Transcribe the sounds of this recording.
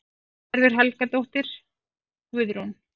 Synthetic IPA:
ɛɾvʏɾ̥ɦɛlkat̪owht̪ɪɾ̥ | vʏðɾon

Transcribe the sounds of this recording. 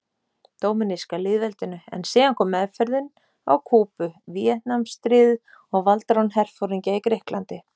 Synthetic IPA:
t̪oːwmɪniskalɪːðvɛlt̪ɪnʏɛ̰nsiːɣankʰɔːmɛðfɛɾðɪn | awkʰuːpʏvjɛt̪namst̪ɾiːð | ɔɣvalt̪ɾawnɦɛr̥fowɾiɲcaikɾehklant̪ɪ

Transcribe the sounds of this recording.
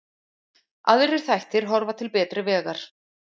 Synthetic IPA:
ʔa̰ðɪɾɪɾ̥θajht̪ɪɾ̥ɦɔɾvat̪ʰɪlpɛːt̪ɾʏvɛːɣaɾ̥

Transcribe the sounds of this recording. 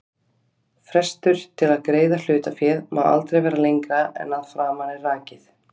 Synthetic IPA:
fɾɛst̪ʏɾ̥t̪ʰɪlaðkɾeːjðal̥ʏːt̪afjɛːðma̰wða̰lt̪ɾejvɛːɾalejŋkɾaɛ̰nːaðfɾaːmanɪraːcɪθ

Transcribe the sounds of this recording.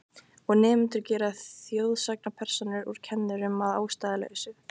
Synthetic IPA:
ɔɣnɛːmɪnt̪ʏɾcɛːɾaθjoːwðsak̚napʰɛr̥sɔnʏɾuɾ̥cʰɛnːʏɾʏmaða̰ːwst̪aːðɪlɛ̰ɣʏsʏ

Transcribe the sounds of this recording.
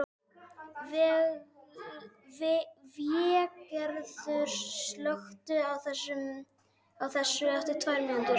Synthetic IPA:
vɪɣ | vɪvjɛkɛɾðʏɾslœxt̪ʏawθɛsːʏm | awθɛsːʏɛht̪ɪ̥t̪ʰvajɾmɛnnt̪ʏɾ

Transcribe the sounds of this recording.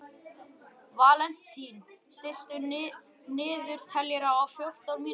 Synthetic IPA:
vaːlɛn̥t̪ʰːinst̪ɪl̥t̪ʏ | nɪːðʏɾ̥t̪ʰɛljɛɾaawfjowr̥t̪awɾmiː

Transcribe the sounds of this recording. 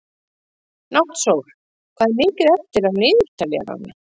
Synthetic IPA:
naht̪sowɾ̥ | kʰvaːðmɪːkɪɾɛft̪ɪɾaðnɪːðʏɾ̥t̪alɛa̰ɾa̰nːa

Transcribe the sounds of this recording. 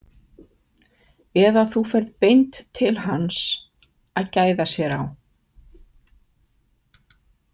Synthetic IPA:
ɛðaθufɛɾðpejnt̪ʰːɪlhans | aðcaːjðasjɛɾaw

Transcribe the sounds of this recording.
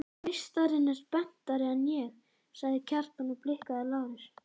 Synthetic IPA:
ɪst̪aɾɪnːɛɾpɛn̥t̪aɾɪanjɛɣ | saɣðɪcʰaɾ̥t̪anuplɪhkaðɪlaːwɾɪɾ̥

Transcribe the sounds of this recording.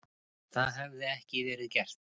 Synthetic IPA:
θaðɦɛvðɪɛhcɪvɛːɾɪðcɛr̥t̪

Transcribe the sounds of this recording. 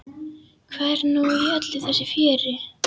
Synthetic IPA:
kʰvɛɾnujœt̪lɪθɛsːɪfjɛːɾɪ

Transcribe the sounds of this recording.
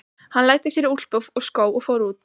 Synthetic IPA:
hanlaːjt̪ɪsjɛɾɪɾul̥pʏvɔɣskoːwɔɣfowɾuːt̪

